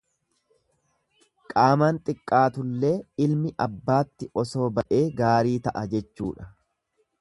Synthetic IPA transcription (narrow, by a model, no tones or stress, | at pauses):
kʼaːmaːnt̪ʼɪkʼːaːt̪ʊlːe̞ːɪlmɪʔɐbːaːt̪ːɪʔɔso̞ːbɐʔe̞ːɡaːɾiːt̪ɐʔɐd͡ʒɛt͡ʃːuːᶑɐ̥